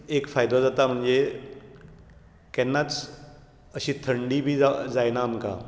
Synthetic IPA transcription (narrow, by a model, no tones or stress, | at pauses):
ekfajd̪od͡zat̪am̤əɳd͡ze | kɛnːat͡s | əɕiːt̪ʰəɳɖiːbʱiːad͡zajnaːmka̰